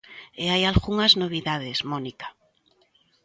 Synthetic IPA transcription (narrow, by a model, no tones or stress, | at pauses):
eajalɣuŋaznoβ̞iðaðezmõnikḁ